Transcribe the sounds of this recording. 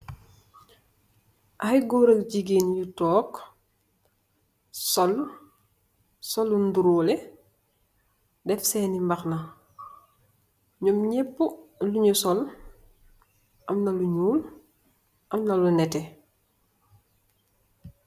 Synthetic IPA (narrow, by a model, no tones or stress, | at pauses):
ʔɐxiɡɔːɾɐkɟiɡiːnjutɔːk | sɔl | sɔlːunduɾuːlɛ | dɛfsɛːnimbɐxnɐ | ɲumɲɛpːuluɲusɔl | ʔɐmnɐluɲuːl | ʔɐmnɐlunɛtɛ